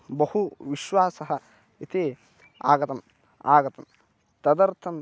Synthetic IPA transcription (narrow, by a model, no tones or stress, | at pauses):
bɐhuʋiʃʋaːsɐɦɐ | it̪eː | a̰ːɡɐt̪ɐm | a̰ːɡɐt̪ɐm | t̪ɐd̪ɐɾt̪ʰɐm